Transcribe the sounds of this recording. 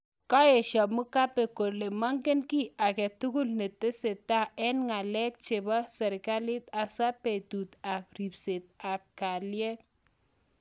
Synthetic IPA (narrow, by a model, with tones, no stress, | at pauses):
kɔ˦e˨ʃɔ˨mu˦ka˦pe˨ko˨le˨ma˦ŋkɪ˦nki˦a˨kɛ˨tu˦ku˦lne˨te˦se˨ta˦ɛ˦nŋa˨lɛ˦k̚t͡ʃe˨bɔ˦sɛ˨ɾka˦lɪ˦t̪a˨swa˦pe˨tu˨t̪a˨p̚ɾi˨pse˨t̪̚a˨p̚ka˨ljɛ˦t̚